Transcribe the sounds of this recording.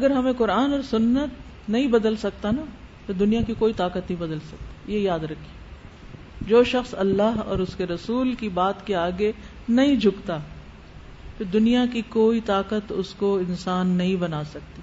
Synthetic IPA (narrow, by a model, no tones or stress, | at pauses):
ɐɡəɾɦɐmẽkʊɾaːnɔːɾsʊnːət̪ | nɐɦĩbɐd̪əlsɐkt̪ana | pod̪ʊnijakikoːit̪aːkət̪nəɐɦĩbɐd̪əlsɐk̚t̪ḁjejaːd̪ɾɐkʰːie | d͡ʒoːʃɐxsɐlːaɦɔ̰ːɾʊskeɾɐsuːlkibaːt̪keaːɡe | nɐɦĩd͡ʒʱʊkt̪a | pɪɾd̪ʊnijakikoːit̪aːqət̪ʊskoɪ̃nsaːnːɐɦĩbɐnaːsɐk̚t̪iː